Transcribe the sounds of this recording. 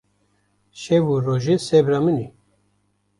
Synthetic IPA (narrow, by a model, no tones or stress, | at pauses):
ʃɛvuroʒesɛbɾamɨni